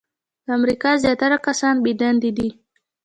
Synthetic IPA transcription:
d̪̥əamɾikɑzjɑt̪aɾakasɑnbed̪and̪ed̪i

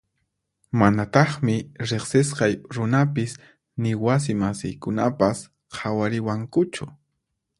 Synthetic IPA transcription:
manat̪ɑχmɪɾeχsɪsqɑjɾʊnapɪs | nɪwas̬ɪmasɪ̰jkʊnapas | qʰawaɾɪwaŋkʊt͡ʃʊ̰

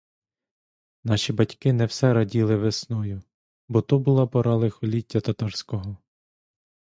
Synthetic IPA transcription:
nɑʃʲibɐtʲkɪnɛwsɛɾɐdʲilˠɪʋesnɔjʊ | bɔt̪ubʊlˠɑpɔɾɑlˠɪxɔlʲitʲːɐt̪ɐt̪ɑrsʲkɔɦɔ

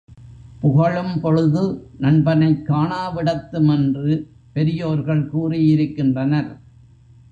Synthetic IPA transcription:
pʊɣɐɭɯmpɔɻɯðɯnɐnbɐnɐɪkːaːɳaːʋɪɽɐt̪ːɯmɛndrɯ | pɛɾɪjoːɾɣɐɭkuːrijɪɾɯkːɪndrɐnɐɾ

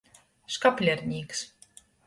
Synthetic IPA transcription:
ʃkapʲlʲɛɾʲnʲiːks

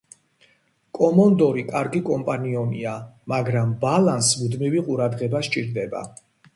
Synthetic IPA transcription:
kʼɔmɔnd̪ɔɾikʼaɾɡikʼɔmpʼaniɔnḭamaɡɾambalansmud̪miviqʼuɾad̪ʁɛbaʃt͡ʃʼiɾd̪ɛba̰

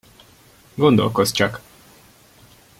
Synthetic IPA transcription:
ɡo̞nd̪olkost͡ʃɒk

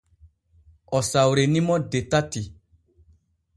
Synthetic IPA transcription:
ɔsawɾenĩmɔ̃detati

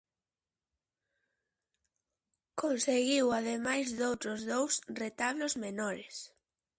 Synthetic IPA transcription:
konseɣiwað̞emajzðowt̪ɾʊzðowsret̪aβlozmenɔɾes

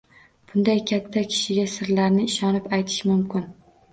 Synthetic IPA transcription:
b̥ʊnd̪ajkʲʰat̪ʰːakʲʰɪ̥ʃɪɡʲasɪɾlaɾnɪːʃɒnɪpajt̪ʰɪ̥ʃmʊmkʲɪn

